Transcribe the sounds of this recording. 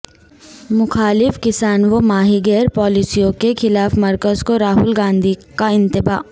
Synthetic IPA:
mʊxaːlɪfkɪsaːnʋomaːɦiɡɛːɾpɔːlisijõkexɪlaːfmɐɾkəzkoɾaːɦʊlɡãːnd̪ʱikaɪ̃nt̪ɪba̰ː

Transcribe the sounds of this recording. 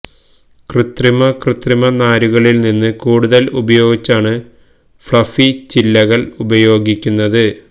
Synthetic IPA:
krɨt̪rimɐkrɨt̪rimɐnaːɾuɣɐɭilninːɨkuːɽuðɐlṵbɐjo̞ːɡit͡ɕːaːɳɨ | fɭɐfit͡ɕilːɐɣɐɭubɐjo̞ːɡikʲːunːɐðɨ

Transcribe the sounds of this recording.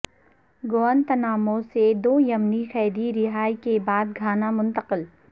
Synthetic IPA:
ɡoːənt̪ɐnaːmõsed̪oːjɐmnixɛːd̪iɾɪɦaːikebaːd̪̚ɡʱaːnamʊ̃nt̪əqɪl

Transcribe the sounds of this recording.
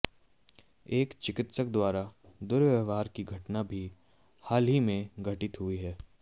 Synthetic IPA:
eːkt͡ʃɪkɪt̪sək̚d̪waːɾad̪ʊɾʋəʋaːɾkiɡʱɐʈnabʱi | haːlɦimẽɡʱɐʈɪt̪ɦʊiɦɛː

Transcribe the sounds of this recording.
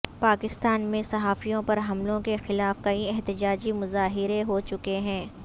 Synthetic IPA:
paːkɪst̪aːnmẽsɐɦaːfijõpɐɾɦɐmlõkexɪlaːfkɐiɛɦt̪ɪd͡ʒaːd͡ʒimʊzaːɦɪɾeɦot͡ʃʊkeɦɛ̃ː

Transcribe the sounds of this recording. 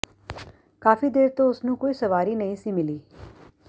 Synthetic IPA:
kaːfʰiːd̪eːɾt̪õːʊsnũːkoːiːsəʋaːɾiːnəĩːsiːmɪliː

